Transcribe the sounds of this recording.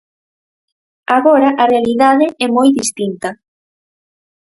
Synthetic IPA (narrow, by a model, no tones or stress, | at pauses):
aɣɔɾaʔarealiðaðɪɛmojðist̪int̪ɐ